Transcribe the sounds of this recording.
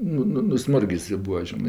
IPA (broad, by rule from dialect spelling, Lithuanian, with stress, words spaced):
ˈnʊ ˈnʊ nʊˈsmʊrʲɡʲɪs ɪ ˈbʊɐ ˈʒʲɪnɜ